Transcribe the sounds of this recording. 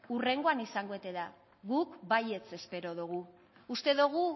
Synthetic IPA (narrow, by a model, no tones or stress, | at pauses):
ure̞ŋɡo̞anisaŋɡo̞e̞t̪e̞ða | ɣukbaje̞t͡se̞spe̞ɾo̞ðuɣ̞u | ust̪e̞ðuɣ̞u